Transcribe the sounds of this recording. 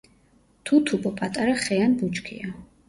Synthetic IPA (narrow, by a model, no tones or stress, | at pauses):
t̪ʰut̪ʰupʼɔpʼat̪ʼaɾaχɛjanbut͡ʃʼkʰḭja